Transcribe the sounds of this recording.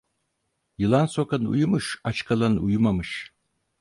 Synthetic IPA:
jɨlansokanṵjumɨʃat͡ʃkʰalanṵjumamɨʃ

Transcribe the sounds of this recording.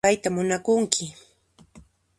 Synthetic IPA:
ajt̪amʊnakʊŋkʰɪ

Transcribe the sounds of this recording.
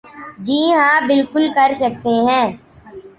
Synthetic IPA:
d͡ʒiːɦãːbɪlkʊlkɐɾsɐk̚t̪eɦɛ̃ː

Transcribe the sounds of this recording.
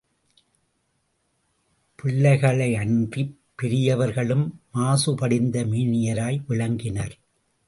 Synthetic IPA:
pʰɪɭːɐɪɣɐɭɐɪɐndipːɪɾɪjɐʋɐɾɣɐɭɯmːaːsɯpɐɽɪnd̪ɐmiːnɪjɐɾaːjʋɪɭɐŋɡɪnɐɾ

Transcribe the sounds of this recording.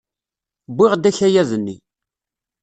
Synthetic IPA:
bɪʁd̪æçæjæzənːi

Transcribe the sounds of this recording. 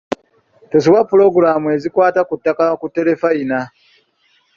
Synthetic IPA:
tos̬uwapːulo̞ɡuɾaːmue̞zikwaːtakutːakakutːe̞ɾe̞faina

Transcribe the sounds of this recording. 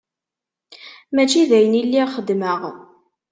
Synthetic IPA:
mæt͡ʃːiðæjənilːiχəd̪məʁ

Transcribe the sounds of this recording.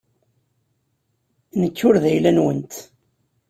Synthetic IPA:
nəkːʊɾðæjlænwənt̪

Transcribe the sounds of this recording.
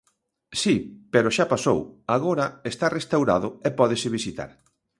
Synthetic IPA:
sipeɾʊʃapaso̰waɣoɾɐest̪arest̪awɾa̰ðʊɛpɔðesɪβisit̪a̰ɾ

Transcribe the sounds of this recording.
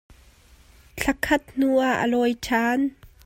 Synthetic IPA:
t͡ɬʰɐkʰɐt̪̚n̥uʔaʔə̰lɔjtʰaːn

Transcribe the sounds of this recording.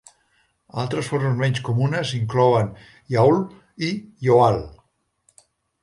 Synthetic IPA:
a̰lˠt̪ɾəsfoɾməzmɛɲskumunəziŋklɔən | jaul | ijoal

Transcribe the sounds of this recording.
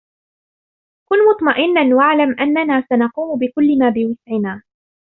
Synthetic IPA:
kʊnmʊt̪ˤmaʔɪnːanwaʕlamʔanːanaːsanɑquːmʊbɪkʊlːɪmaːbɪwɪsʕɪnaː

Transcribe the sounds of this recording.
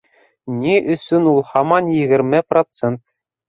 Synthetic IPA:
nʲiʔɵ̆sʲynulˠχɑmɑnjɘ̆ɣʲɘ̆rʲmʲɘ̆prot̪t͡sent̪

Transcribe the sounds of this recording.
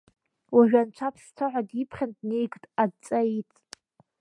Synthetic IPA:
waʒᶣant͡ʃʷʰapʰstʰaʕʷadipʰχʲandnejɡʼtʼad̚t͡sʼait͡sʼ

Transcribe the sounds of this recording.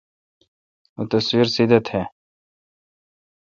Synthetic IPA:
ut̪ɐswiɾsid̪ət̪hɛː

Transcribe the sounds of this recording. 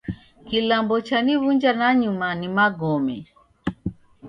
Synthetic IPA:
kilambɔt͡ʃanivund͡ʒanaɲumanimaɡɔmɛ

